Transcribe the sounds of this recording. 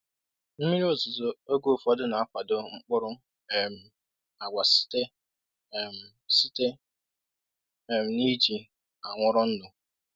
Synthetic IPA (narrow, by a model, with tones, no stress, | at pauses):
m̩˦mi˦ɾi˦o˦˨zʊ˨zo˦o˦ɡo˦˨fɔ˦dʊ˦na˨a˦kʷa˨dʊ˨ŋ͡m̩˦k͡pʊ˦ɾʊ˦ | e˨m̩˨ | a˨ɡʷa˨sɪ̥˦te˦˨ | m̩˨ | si˦te˦ | e˨m̩˨ni˦d͡ʒi˨ | a˨ŋʷʊ˦ɾʊ˦n̩˦dʊ˨